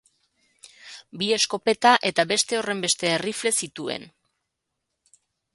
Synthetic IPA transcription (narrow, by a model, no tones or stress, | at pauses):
bie̞sko̞pe̞t̪aʔe̞t̪aβe̞st̪e̞o̞re̞mbe̞st̪e̞ːrifle̞sit̪ue̞̰n